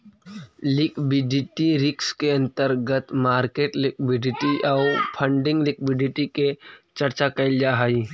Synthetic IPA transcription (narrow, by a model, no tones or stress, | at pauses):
lɪkbɪɖɪʈiɾɪkskeɐ̃nt̪əɾɡət̪maːɾkeːʈlɪkʋɪɖɪʈiʔaʊpʰə̃ɳɖɪ̃ŋɡlɪkwɪɖɪʈiket͡ʃəɾt͡ʃakɐɪld͡ʒaɦai